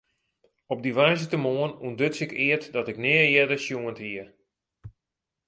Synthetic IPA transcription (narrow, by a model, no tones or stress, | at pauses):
ɔb̚diʋɛjzətəmoənundøtsɪkɪətdɔtɪknɪːəjɛdəsjuənthiə